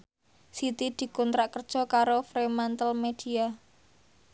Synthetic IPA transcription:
sit̪id̪̥i̤kunt̪ɾaʔkərd̥ʒ̥ɔ̤kaɾofɾemant̪əlmed̪̥i̤a

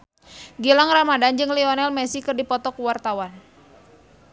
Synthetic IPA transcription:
ɡilaŋramadand͡ʒɨŋlɛɔnɛlmɛsikɨrdipɔt̪ɔkuwart̪awan

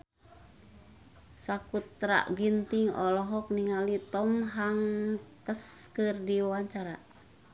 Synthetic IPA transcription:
sakut̪ɾa̰ʔɡint̪iŋɔ̰lɔɦɔk̚niŋalit̪ɔmɦaŋkəskɨrdiwaɲt͡ʃaɾa

